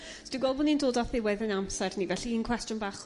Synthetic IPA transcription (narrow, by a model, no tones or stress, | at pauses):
sd̥iɡwɛlˠvonindoːdɔθɪwɛðənamsɛrnivɛɬiinkʰw̥ɛstjʊnbaːχ